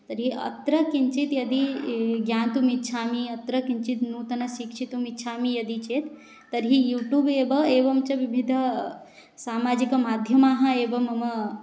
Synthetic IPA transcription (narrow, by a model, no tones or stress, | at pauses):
t̪ɐɾɦiɐ̰t̪ɾəkint͡ʃit̪jɐd̪iɡjaːnt̪umit̪ːt͡ʃʰaːmiɐt̪ɾəkint͡ʃit̪nut̪ɐnɐʃikt͡ʃʰit̪umit̪ːt͡ʃʰaːmijɐd̪it͡ʃet̪ː | ɐɾɦijuːʈuːbeːbəeːʋɐmt͡ʃɐʋibʱid̪ʱ | saːmaːd͡ʒikɐmaːd̪ʱjɐmaːɦɐ̃eːbɐmɐm